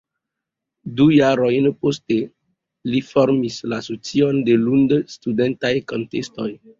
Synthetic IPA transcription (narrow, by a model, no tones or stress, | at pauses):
dujaɾo̞jnposte | lifoɾmislasot͡sio̞nde̞lundstudentajko̞ntesto̞j